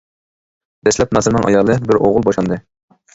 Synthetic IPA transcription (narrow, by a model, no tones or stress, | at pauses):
d̪̥ɛslɛp̚mɑsɨɾnɨŋʔɑ̰jɑlˠɨbɪɾoʁʊlˠbɑʃlˠɑnd̪ɨ